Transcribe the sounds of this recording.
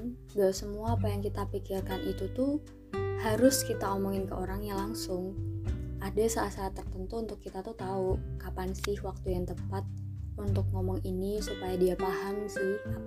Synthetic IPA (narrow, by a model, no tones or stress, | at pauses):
basəmuaːpajaŋkit̪apikɪrkanit̪ut̪u | haɾʊskit̪aomɔŋɪnkəʔoɾaŋjaŋlaŋsʊŋ | ʔadasaʔat̪saːt̪ːərt̪ənt̪uːnt̪ʊkːit̪at̪ut̪aukapansɪhwak̚t̪ujaŋt̪əpat̪̚ | unt̪ʊk̚ŋomɔŋinisupajadiapahamsɪha